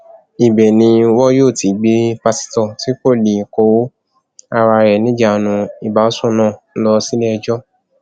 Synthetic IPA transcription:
i˨bɛ˨nĩ˧wɔ˦joː˦˨ti˨˦ɡ͡be˦pa˧si̥˦tɔ˦˨ti˦ko˦˨li˨ko˧˦wo˦ | a˧ɾa˧ɾɛ˨nĩ˦d͡ʒa˦˨nũ˧i˨ba˨˦o˦sũ˦nã˦˨n̩˦lɔ˧si˦lɛ˦ɛ˧d͡ʒɔ˦

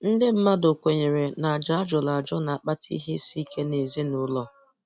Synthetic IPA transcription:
n̩˦dɪ˦m̩˦ma˦do˨kʷe˨ɲe˨ɾe˨na˨a˨d͡ʒa˨a˦d͡ʒɔ˨la˨d͡ʒɔ˦na˨a˨k͡pa˦tʰḭ˦ɦe˦si˦kʰe˦ne˨zi˦nʊ˦lɔ˦

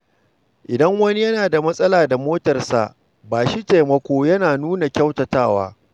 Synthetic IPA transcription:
ʔɪ˨dɐ˦ŋwɐ˦ni˦jɐ˦naː˨da˨mɐ˦sʼɐ˦laː˨da˨moː˦tɐ˨rsa̰˨ʔ | baː˨ʃi˦teː˨mɐ˦kʷoː˦jɐ˦naː˨nuː˦na˨kʲɐ˦wtɐ˨taː˦˨wa̰ː˦

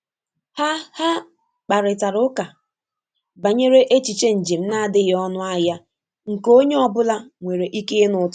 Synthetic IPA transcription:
ha˦ha˦ | k͡pa˨ɾɪ˨ta˨ɾʊ˦ka˨ | ba˨ɲe˦ɾe˦ʔe˦t͡ʃi˨t͡ʃe˦n̩˨d͡ʒe˨m̩˦na˦˨dɪ˦ɣɔ˦nʊ˦a˦ja˦ | ŋ̩˨ko˦ɲe˦ɔ˦bʊ˦la˦ŋʷe˨ɾe˨ʔi˦ke˦nʊ˨t

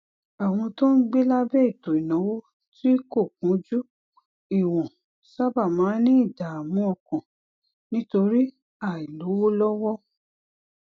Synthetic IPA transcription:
a˨w̃ɔ̃˧to˦n̩˦ɡ͡be˦la˦bɛ˦i˦˨to˨i˨nã˨˦wo˦ | ti˦ko˦˨kũ˨˦d͡ʒu˦ | i˨w̃ɔ̃˨ | sa˦ba˦˨mãː˨˦nĩ˦i˦˨da˨a˨mɔ̃˧˦ɔ˧˨kɔ̃˨ | nĩ˦to˧ɾi˦ | a˦˨i˨lo˨˦wo˦lɔ˦wɔ˦

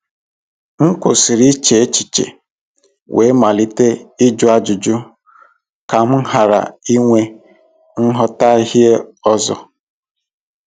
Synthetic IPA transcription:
ŋ̩˦kʷo˨si˨ɾi˦t͡ʃe˨e˦t͡ʃi˨t͡ʃḛ˨ | wʔe˨˦ma˨li˦te˦i˦d͡ʒʊ˦a˦d͡ʒʊ˨d͡ʒʊ˦ | ka˨m̩˦ɦa˨ɾa̰˨i˦ŋʷe˦ | ŋ̩˦ɦɔ˦ta˦i˦ɦi˦e˦ɔ˦zɔ̰˦

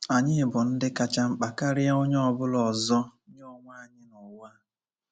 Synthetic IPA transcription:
a˨ɲɪ˦bʊ˨n̩˦dɪ˦ka˦t͡ʃa˦ŋ͡m̩˦k͡pa˨ka˦ɾɪ˦a˦o˦ɲ˦ɔ˦˨bʊ˦lɔ˨zɔ˦ɲ˦ɔ˦˨ŋʷa˦˨ɲɪ˦nʊ˨wa˦

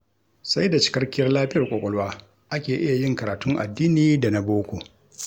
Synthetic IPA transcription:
sa˦jda˨t͡ʃɪ̥˦kɐ˦rkʲɪ˦jɐ˦rlaː˦ɸɪ˦jɐ˨rkʷʼoː˨kʷʼɔ˦˨lwaː˦ | ʔa˦kʲeː˨ʔɪ˦ja˨jɪ˦ŋkɐ˨aː˨tʊ˦ŋʔa̰˨dːiː˦niː˨da˨na˨boː˦kʷoː˨

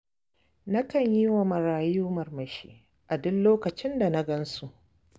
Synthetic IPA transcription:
na˦kɐ˨ɲji˦wa˨mɐ˨ɾaː˨juː˦mɐ˨rmɐ˨ʃḭː˦ | ʔa˨dʊ˦lloː˦kɐ˨t͡ʃɪ˦nda˨na˦ɡɐ˦nsu˨ʔ

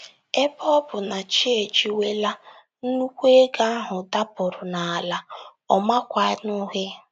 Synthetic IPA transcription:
e˦bɔ˦bʊ˨na˨t͡ʃe˦e˨t͡ʃi˨we˦la˦ | n̩˦nu˦kʷe˦ɡa˦a˦ɦʊ˨da˦pʊ˨ɾʊ˨na˨a˨la˨ | ɔ˨ma˦kʷa˨˦nʊ˦ɦe˦

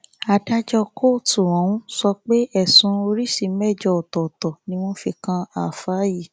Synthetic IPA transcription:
a˨da˦d͡ʒɔ˧kʰo˦˨tu˨wɔ̃˨˦wũ˦sɔ˧k͡pe˦ɛ˦˨sũ˨˦o˧ɾi˦si˨˦mɛ˦˨d͡ʒɔ˧o˨tɔ˨tɔ˨nĩ˧˦w̃ɔ̃˦fi˧kã˧a˨faː˨˦ji˦˨

